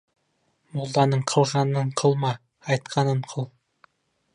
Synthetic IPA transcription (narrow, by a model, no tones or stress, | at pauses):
mulˠd̪ɑnɤɴqʰɤ̆lˠʁɑnɤɴqʰɤlˠmɑː | jt̪̚qʰɑnɤɴqʰɤlˠ